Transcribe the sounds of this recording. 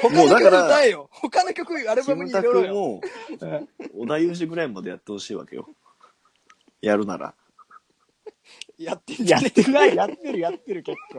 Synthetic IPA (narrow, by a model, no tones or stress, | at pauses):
homoːd̪akaɾat̪aijohokanokʲo̞kɯaɾɯsãɲt̪aɯ̟mo | od̪ajɯːɕ̬iɡɯ̟ɾaimad̪e̞jat̪ːe̞ho̞ɕiːβa̰ke̞̰jo̰ | jaɾɯ̟na̰ɾa̰ | jat̪ːeaeajat̪ːe̞ɾɯ̟jat̪ːe̞ɾɯ̟ke̞kːoː